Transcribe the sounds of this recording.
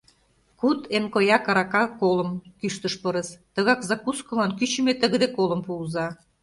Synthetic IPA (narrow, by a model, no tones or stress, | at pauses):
kut̪emkojɑkɑɾɑkɑkoləmkyʃt̪ə̆ʃpə̆ɾə̆st̪ə̆ɣɑkzɑkuskɤ̆lɑnkyt͡ɕə̆met̪ə̆ɣə̆d̪ekolə̆mpuuzɑ